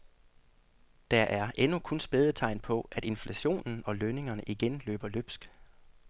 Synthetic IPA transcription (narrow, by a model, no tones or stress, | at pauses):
d̥æʔæɐʔenukʰɔ̽nsb̥eðˠət͡sʰɑ̈ɪnpʰɒ̽ʔæd̥e̝nflæɕo̝̰ːnn̩ɒ̽løne̝ŋɐnəʔiɡ̥enlø̰ːb̥ɐløb̥sɡ̥